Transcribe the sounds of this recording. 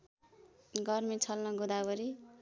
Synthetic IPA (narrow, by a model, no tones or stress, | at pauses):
ɡʌrmit͡sʰʌlnʌɡud̪abʌɾi